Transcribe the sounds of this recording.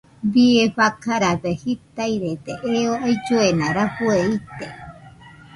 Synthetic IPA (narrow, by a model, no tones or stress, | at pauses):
βieɸakʰaɾad̪ehit̪ajɾet̪eʔeoajd͡ʒuenãɾahueit̪e